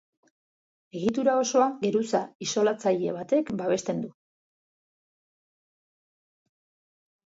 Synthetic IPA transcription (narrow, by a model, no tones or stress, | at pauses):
e̞ɣ̞it̪uɾao̞so̞aɡe̞ɾusaiso̞lat͡saʎe̞β̞at̪e̞kbaβe̞st̪e̞nd̪u